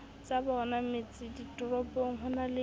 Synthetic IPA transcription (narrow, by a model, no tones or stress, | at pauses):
t͡sʼabaɔnamet͡sʼɪditʼɔrɔpʼɔŋ̩ɦɔnalɪ